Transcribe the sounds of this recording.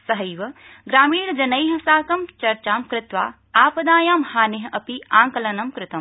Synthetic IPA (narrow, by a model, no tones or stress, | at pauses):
sɐɦɐjʋɐ | ɡɾaːmiːɽd͡ʒɐnɐjɦɐsaːkɐmt͡ʃɐɾt͡ʃaːmkɾɪt̪ʋa̰ː | aːpɐd̪aːjaːmhaːneɦɐʔɐpiaːŋkɐlɐnɐmkɾɪt̪ɐm